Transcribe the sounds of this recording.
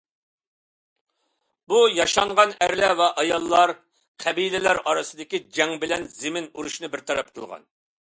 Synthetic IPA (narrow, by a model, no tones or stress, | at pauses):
bujɑʃɑɴʁɑnæɾlɛvɛʔɑjɑlˠːɑɾ | qʰɛbilɪlæɾɑɾɨsɨd̪ɪkʲid͡ʒɛŋbɪlɛnzɪmɪnuɾuʃnɨbɪɾt̪ʰɑɾɑp̚qʰəlˠʁɑ̰n